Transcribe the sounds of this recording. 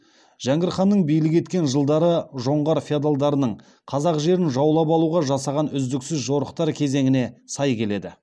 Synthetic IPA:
ʒ̥æŋɡʲɪɾχɑnːəɴbijlɪke̞t̪kʲe̞nʒəlˠd̪ɑɾəʒo̞ɴʁɑɾfiad̪alˠd̪ɑɾənəɴ | qʰɑzɑqʒe̞ɾɪnʒɑwlˠɑpɑlˠuʁɑʒɑsɑʁɑnʏzd̪ɪksɪzʒo̞ɾə̥qt̪ɑɾkʲʰe̞ze̞ŋɪne̞sɑjkʲʰe̞le̞d̪ɪ

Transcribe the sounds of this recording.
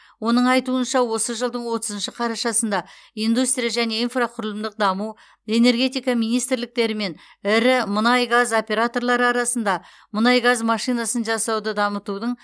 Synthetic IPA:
wo̞nəɴɑjt̪uənʃɑwo̞səʒəlˠd̪əɴwo̞t̪əzənʃɪqʰɑɾɑʃɑsənd̪ɑijnd̪ust̪ɾijaʒæne̞infraqʰʊɾlˠəmd̪əq̚d̪ɑmu | e̞ne̞ɾɡʲe̞t̪ijkɑmijnijst̪ɪɾlɪk̚t̪e̞ɾɪme̞n | ɪɾɪmənɑjɡazo̞pʲe̞ɾat̪o̞rlˠɑɾəɑɾɑsənd̪ɑ | mənɑjɡazmɑʃijnɑsənʒɑsɑwd̪əd̪ɑmət̪ud̪əɴ

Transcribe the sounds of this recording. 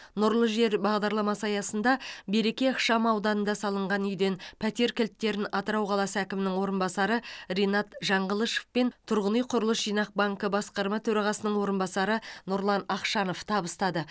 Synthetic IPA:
nʊɾlˠəʒe̞ɾbɑʁd̪ɑɾlˠɑmɑsɑjɑsənd̪ɑbe̞ɾe̞kʲe̞ɑqʃɑmɑwd̪ɑnənd̪ɑsɑlˠəɴʁɑnʏjd̪e̞npʰæt̪e̞ɾkʲɪlt̪ːe̞ɾɪnɑt̪əɾɑwqʰɑlˠɑsəækʲɪmɪnɪŋwo̞ɾənbɑsɑɾərejnɑt̪ʒɑɴʁəlˠəʃe̥fpent̪ʰʊɾʁənijqʰʊɾəlˠəsʒijnɑq̚bɑŋkəbɑsqɑɾmɑt̪ʰɵɾɑʁɑsənəɴwo̞ɾənbɑsɑɾənʊɾlˠɑnɑqʃɑno̞ft̪ʰɑbəst̪ɑd̪ə

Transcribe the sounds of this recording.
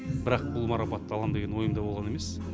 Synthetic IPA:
bɪɾɑq̚bʊlˠmɑɾɑpɑt̪ːɑlˠɑnd̪e̞ɡʲenwo̞jəmd̪ɑbolˠʁɑneme̞s

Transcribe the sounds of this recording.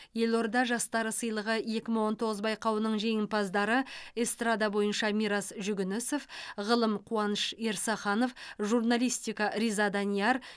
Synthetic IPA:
je̞lˠo̞ɾd̪ɑʒɑst̪ɑɾəsəjlˠəʁəje̞kʲɪməwo̞nt̪ʰo̞ʁəzbɑjqɑwənəɴʒe̞jɪmpʰɑzd̪ɑɾəest̪rad̪ɑbo̞jənʃɑmiɾɑsʒʏɡʲɪnɪso̞fʁəlˠəmqʰuɑnəʃe̞ɾsɑχɑno̞fʒurnalijst̪ijkɑɾʲizad̪ɑnijɑɾ

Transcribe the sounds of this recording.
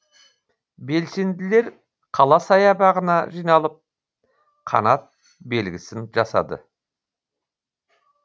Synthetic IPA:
be̞lse̞nd̪ɪle̞ɾ | qʰɑlˠɑsɑjɑbɑʁənɑʒijnɑlˠəp̚ | qʰɑ̰nɑt̪̚ | be̞lɡʲɪsɪnʒɑsɑ̰d̪ə̰

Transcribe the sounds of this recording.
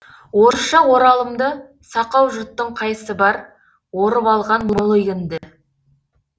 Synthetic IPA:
wo̞ɾəʃɑwo̞ɾɑlˠəmd̪ə | sɑqɑwʒʊt̪ːəɴqʰɑjsəbɑɾ | wo̞ɾəpɑlˠʁɑnmolˠojɡɪnd̪ɪ

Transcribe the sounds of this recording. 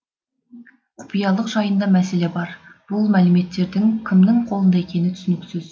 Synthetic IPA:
qʰʊ̥pijɑlˠəqʒɑjənd̪ɑmæse̞le̞bɑɾb̥ʊlˠmælɪme̞t̪ːe̞ɾd̪ɪŋkʲʰɪmnɪŋqʰo̞lˠənd̪ɑe̞kʲʰe̞nɪt̪ʰʏ̥sɪnɪkʲsɪz̥

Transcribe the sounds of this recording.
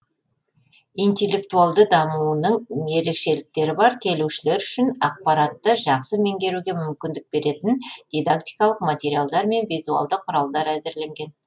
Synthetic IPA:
ijnt̪e̞lːe̞kt̪ualˠd̪əd̪ɑmuənəɴe̞ɾe̞kʃe̞lɪk̚t̪e̞ɾɪbɑɾkʲʰe̞luʃɪle̞ɾʏʃɪnɑq̚pɑɾat̪ːəʒɑqsəme̞ŋɡʲe̞ɾuɡʲe̞mʏmkʲɪnd̪ɪk̚b̥e̞ɾe̞t̪ɪnd̪̥ʲijd̪akt̪ijkɑlˠəqmat̪ʲe̞ɾialˠd̪ɑɾme̞nvijzua̰lˠd̪əqʰːʊɾɑlˠd̪ɑɾæzɪɾle̞ŋɡʲe̞n

